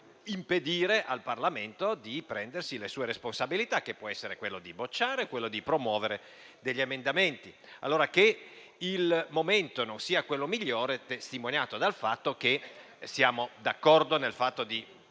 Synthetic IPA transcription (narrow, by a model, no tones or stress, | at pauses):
imped̪iːɾeʔalparlament̪od̪ipɾɛnd̪ersilesuːeɾesponsabilit̪akːepːwɔɛsːeɾekwelːod̪ibot͡ʃːaːɾekːwelːod̪ipɾomwɔːveɾe | d̪eʎːiemend̪ament̪i | a̰lːoːɾake | ilmoment̪ononsiːakwelːomiʎːoːɾet̪est̪imonjaːt̪od̪alfat̪ːok̟e | sjaːmod̪akːɔrd̪onelfat̪ːod̪i